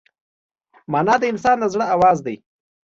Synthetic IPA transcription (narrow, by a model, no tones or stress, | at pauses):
mɑnɑːd̪əɪnsɑnd̪əzɽəawɑzd̪aj